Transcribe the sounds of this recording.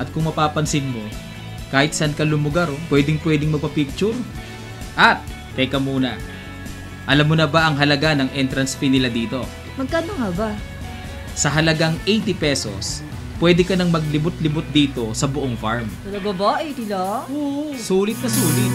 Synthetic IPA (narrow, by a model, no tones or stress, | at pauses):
ʔɐt̪̚kʊŋmɐpaːpɐnsɪnmo̞ | kaːhɪt̪sɐnkɐlʊmʊɡaɾopwɛːd̪ɪŋpwɛːd̪ɪŋmɐɡ̚pɐpik̚t͡ʃʊɾ | ʔɐt̪̚ | p̪ɛkɐmuːnɐ | ʔɐlamːonɐbaʔɐŋɦɐlɐɡanɐŋʔɛnt̪ɾɐnsfinɪlad̪iːt̪o̞ | mɐɡ̚kaːnoŋɐba | sɐɦɐlɐɡaŋʔejt̪ɪpɛso̞̰s | pwɛd̪ɛkɐnɐŋmɐɡ̚lɪbʊt̪̚lɪbʊt̪̚d̪iːt̪o̞sɐbʊʔoŋfaɹmt̪ɐlɐɡɐboʔejt̪iloosuːlɪt̪̚nɐsuːlɪt̪̚